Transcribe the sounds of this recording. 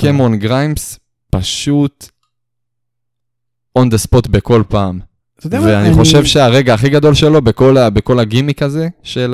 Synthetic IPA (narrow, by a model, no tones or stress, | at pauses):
kemonɡʁajms | paʃut̪ | ond̪espot̪beko̞lpaːm | veaniχo̞ʃevʃeaʁe̞ɡaːχiɡad̪o̞lʃe̞lobeko̞labekolaɡimikaze̞ʃel